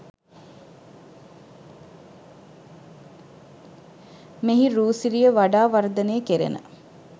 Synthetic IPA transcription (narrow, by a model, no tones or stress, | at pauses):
meɦiɾuːsiɾijəʋaɖaːʋaɾd̪əneːkeɾḛnə̰